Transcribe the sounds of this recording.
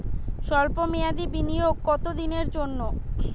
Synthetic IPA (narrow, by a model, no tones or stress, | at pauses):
ʃɔlpomejad̪ibinijoɡ̚kɔt̪od̪ineɾd͡ʑonːo